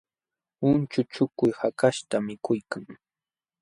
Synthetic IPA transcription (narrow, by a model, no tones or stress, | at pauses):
ʊnt͡ʃʊt͡ʃʊkʊjhakaʃt̪amɪkʊjkaŋ